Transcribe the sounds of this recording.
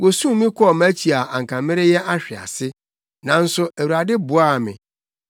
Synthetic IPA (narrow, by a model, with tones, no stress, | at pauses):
wo˨sũ˦˨mĩ˦kʰʷɔ˦ɔ˨mæ˦t͡ɕʰi˨a˨ã˨ŋ̩˨kʰã˨mɪ̃˦ɾɪ˦jɛ˦ʔa˦ɕᶣɪ˨a̰˨sɪ˦ | nã˨n̩˦sʊ˦ʔæ˨wu˨ɾa˨dɪ˦bʊ˨a˦˨mɪ̰̃˨